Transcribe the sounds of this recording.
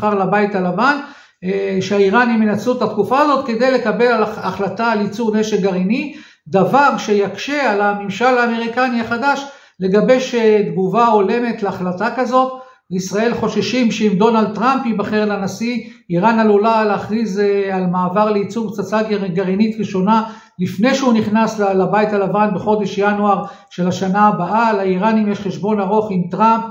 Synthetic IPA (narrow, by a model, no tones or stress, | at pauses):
χaʁlabait̪alavan | ʃeaiʁanimjenat͡sut̪at̪kufaːzo̞t̪ke̞d̪e̞jle̞kabe̞lalaaχlat̪aːlit͡suvneʃeɡaʁini | d̪avaɡʃejakʃe̞alamimʃalaːme̞ʁikaniaχad̪aʃ | le̞ɡabe̞jʃed̪ɡuvao̞le̞me̞t̪leaχlatakazo̞t̪ | leisʁae̞lχo̞ʃeʃimʃeimd̪o̞nald̪̚t̪ʁampibaχeʁlanasiiʁanalulaleaχʁizalmaːvaʁleit͡suvt͡sat͡saɡeʁeɡaʁinit̪ʁiʃo̞na | lifne̞jʃeuniχnaslalabait̪alavanbeχo̞d̪e̞ʃjanuaʁ | ʃe̞laʃanaːbaalaiʁanimjeʃχeʃbo̞naʁo̞χimt̪ʁamp̚